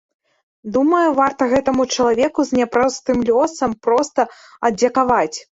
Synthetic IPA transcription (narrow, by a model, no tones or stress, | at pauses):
d̪umɐjuvart̪ɐɣɛt̪ɐmut͡ʂɐlˠavʲɛkuzʲnʲapɾɔst̪ɨmlʲɔsɐmpɾɔst̪ɐ | ɐd̪d͡zʲɐkavat͡sʲ